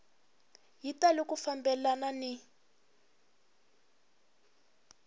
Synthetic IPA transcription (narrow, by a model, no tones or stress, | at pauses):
ɦitalikufambɛlanani